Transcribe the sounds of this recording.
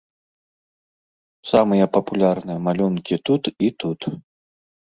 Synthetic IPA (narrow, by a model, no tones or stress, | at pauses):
samɨjɐpɐpulʲarnɨjɐmalʲunkʲit̪ut̪it̪ut̪